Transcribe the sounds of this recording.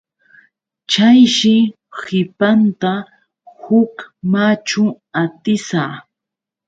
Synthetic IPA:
t͡ʃajʃɪ | hɪpant̪a | hʊkmat͡ʃʊ | at̪ɪsaː

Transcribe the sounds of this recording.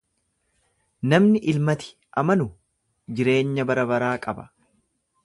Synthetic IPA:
nɐmnɪʔɪlmɐt̪ɪ̥ | ʔɐmɐnʊ | d͡ʒɪɾe̞ːɲːɐbɐɾɐbɐɾaːkʼɐbɐ̥

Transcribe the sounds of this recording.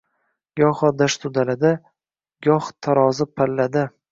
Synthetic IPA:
ɡɒχɒd̪aʃt̪ʰʊd̪alad̪a | ɡɒχt̪ʰaɾɒzɪpʰalːad̪ɪ

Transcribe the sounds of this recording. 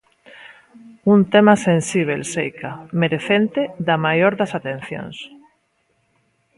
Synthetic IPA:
unt̪emasẽnsiβ̞elsejkʰameɾeθent̪eðamajoɾðasat̪ẽn̟θjõ̰ŋs

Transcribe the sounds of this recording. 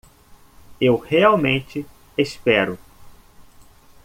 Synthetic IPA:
ewheawmẽnt͡ʃɪ | espɛɾʊ

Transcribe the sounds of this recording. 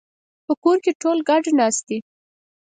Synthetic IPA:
pəkoɾkeʈolɡɑɖnɑst̪i

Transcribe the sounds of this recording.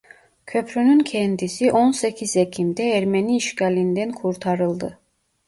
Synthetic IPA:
cʰø̞pʰɾynyncʰɛnd̪isiʔo̞nsecʰizecʰimd̪ɛːɾmeniːʃcalʲind̪ɛnkʰuɾt̪ʰaɾɯlˠd̪ɯ

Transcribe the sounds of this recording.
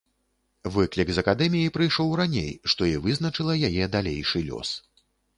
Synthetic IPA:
vɨklʲikzɐkad̪ɛmʲijipɾɨjʂɔwɾanʲḛjʂt̪ɔivɨzn̪ɐt͡ʂɨlˠɐjajɛd̪alʲejʂɨlʲɔ̰s

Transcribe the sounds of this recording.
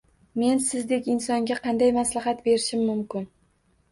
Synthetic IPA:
me̞nsɪzd̪e̞kʲɪnsɒŋɡʲaqʰɑnd̪ajmaslaɦɑt̪be̞ɾɪʃɪmːʊmkʲɪn

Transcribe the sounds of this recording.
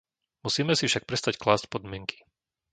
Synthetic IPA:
musiːmɛsifʃak̚pɾɛst̪acklaːscpɔd̪mɪɛŋki̥

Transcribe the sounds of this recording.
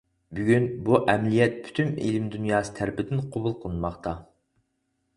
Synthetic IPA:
byɡʲynbuʔɛmlijɛt̪̚pʰy̥t̪ʰymḭlɪmd̪unjɑːsɨ̥t̪ʰæɾpʰɪd̪ɪnqʰobulˠqʰəlˠɨnmɑχt̪ʰɑ

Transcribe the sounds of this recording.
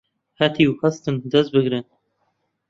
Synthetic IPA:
hɐt̪ʰiwhæst̪ɨnd̪ɛst̪̚bɨɡɾɨn

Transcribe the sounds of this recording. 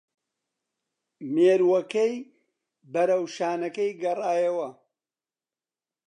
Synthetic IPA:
meːɾwɐkɐj | bɐɾɐwʃaːnɐkɐjɡɐraːjɐwɐ

